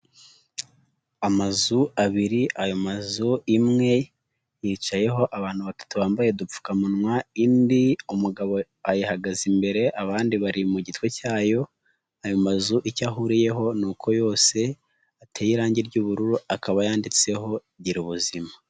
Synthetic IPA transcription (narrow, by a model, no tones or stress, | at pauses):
amazuaβiɾiʔajo̞mazuimŋe̞ | jiːt͡ʃaje̞ɦo̞ʔaβaːn̥huβatu̥tuβaːmbaje̞dup͡fu̥kamunŋwaindiumuɡaβo̞ | ajihaɡazimbe̞ɾe̞ʔaβaːndiβaɾimuɟitwe̞caːjo̞ | ajo̞mazuʔicaɦuɾije̞ɦo̞nukʰo̞jo̞ːse̞ | atʰeːjiɾaːɲɟiɾɟuːβuɾuɾuakʰaβajaːndit͡se̞ɦo̞ | ɟiɾuβuzima